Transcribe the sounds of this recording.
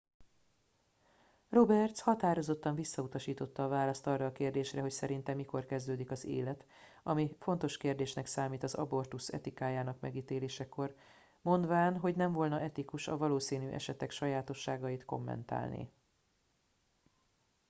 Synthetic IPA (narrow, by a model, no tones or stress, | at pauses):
ro̞bɛrt̪shɒt̪aːɾo̞zo̞t̪ːɒɱvisːɒut̪ɒʃiːt̪o̞t̪ːɒːvaːlɒst̪ɒrːɒːkeːrd̪eːʃrɛɦo̞csɛɾint̪ɛmːiko̞rkɛzd̪øːd̪ikɒzḛːlɛt̪ | ɒmifo̞n̪t̪o̞ʃkeːrd̪eːʃnɛksaːmiːt̪ɒzɒ̰bo̞rt̪usɛ̰t̪ikaːjaːnɒkmɛ̰ɡiːt̪eːleːʃɛko̞r | mo̞nd̪ʋaːnɦo̞ɟnɛɱvo̞lnɒʔɛt̪ikuʃɒ̰vɒloːsiːnyːʔɛ̰ʃɛt̪ɛkʃɒjaːt̪o̞ʃːaːɡɒjit̪ko̞̰mːɛ̰nt̪a̰ːlnḭː